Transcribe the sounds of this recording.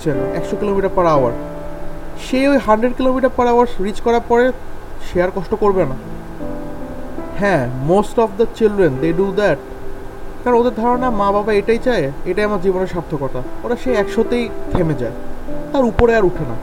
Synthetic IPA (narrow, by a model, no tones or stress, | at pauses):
t͡ɕʰelɛkʃokilomiʈaɾpaɾaʊa̰ɾ | ʃejojɦanɖɾeɖ̚kilomiʈaɾpaɾaaɾsɾit͡ɕkɔɾaɾpɔɾeʃeaɾkɔʃʈokoɾbena | hɛ̃mosʈɔfd̪ət͡ɕilɖɾend̪eɖud̪ɛʈ̚ | kaɾõod̪eɾd̪ʱɔɾonamãbabaeʈajt͡ɕaeeʈajamaɾd͡ʑiboneɾʃap̚t̪ʰːokɔɾt̪aoɾaʃeɛkʃot̪ejt̪ʰemed͡ʑa̰et̪aɾupoɾeaɾuʈʰena̰